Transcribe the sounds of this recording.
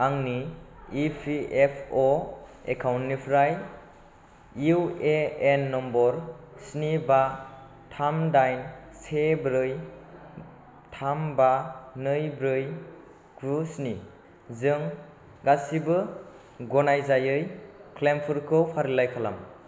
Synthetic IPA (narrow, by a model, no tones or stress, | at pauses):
aŋniː | pʰiepʰɔekʰawntnipʰɾaj | ueenːɔmbɔɾ | sniba | tʰamdajnsebɾɯj | tʰambanɯjbɾɯj | ɡusni | zɯŋ | ɡasibɯ | ɡɔnajzajɯjkʰlempʰɯɾkʰɯwpʰaɾilajkʰala̰m